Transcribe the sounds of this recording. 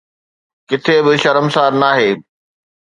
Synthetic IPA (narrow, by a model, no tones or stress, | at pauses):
kɪt̪ʰebɪʃɐɾəmsaːɾnaːɦeː